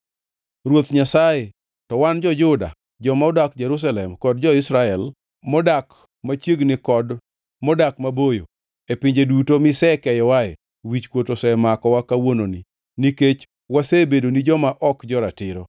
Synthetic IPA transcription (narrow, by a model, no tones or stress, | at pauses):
ɾwot̪ɲasaje | tɔwand͡ʒɔd͡ʒʊda̰ | d͡ʒɔmaʊdakd͡ʒeɾus̬alɛmkɔdd͡ʒɔɪsɾaɛl | mɔdak | mat͡ʃjeɡnɪkɔd | mɔdakmabojo̰ | epɪɲd͡ʒedutomɪsɛkɛjɔwae | wit͡ʃkwotosɛmakɔwakawononi | niket͡ʃ | wasebedonid͡ʒɔmaʔɔkd͡ʒɔɾatɪɾo